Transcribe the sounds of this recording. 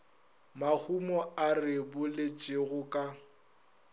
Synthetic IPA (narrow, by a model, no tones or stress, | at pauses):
mak͡xumɔarɪbʊlɪt͡ʃʼɪɣʊkʼa